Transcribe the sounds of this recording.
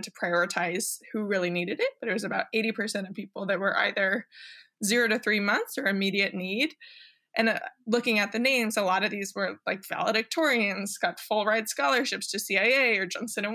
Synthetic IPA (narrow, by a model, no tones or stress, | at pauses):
tʰə̥pʰɹ̥aɪɔɹɨtʰaɪz̥huɹɪlˠiniɾɨɾɪt̚b̥ʌɾɨt̚wʌzɨbaʊɾeɪɾipʰə˞sɛ̃ɾ̃ʌv̥pipl̩ˠðɨt̚wə˞ʔa̰ɪðə˞ | zɪɹoʊɾɨθɹimʌ̃nθsə˞ɨmiɾiɨtⁿniɾ | ʔɨ̃nlʊkɪ̃ŋɨt̪̚ðɨnẽɪ̃mzəlɑɾʌvðizwə˞laɪkv̥æ̰lˠəɾɨk̚tʰɔɹiɨ̃nz̥ɡ̥ɑtfʊlˠɹaɪd̥skɑlˠə˞ʃɪpstʰɨsiaɪeɪə˞d͡ʒʌ̃nsɨ̃ñɨ̃